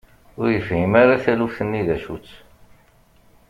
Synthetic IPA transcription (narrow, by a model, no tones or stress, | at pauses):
ʊɾjəfhimaɾaθælufθənːiðæʃut͡sː